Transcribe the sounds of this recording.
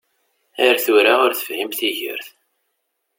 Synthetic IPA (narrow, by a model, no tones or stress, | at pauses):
æɾθuɾaʊɾθə̥fhimθiʝə̰ɾθ